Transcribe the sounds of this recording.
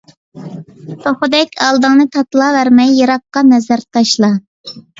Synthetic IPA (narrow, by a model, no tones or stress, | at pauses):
t̪ʰoχʊd̪ɛkʲʰɑlˠd̪ɨŋnɨt̪ʰɑt̪lˠɑvæɾmɛjːɑɾɑq̚qɑnɛzæɾt̪ʰɑʃlˠɑ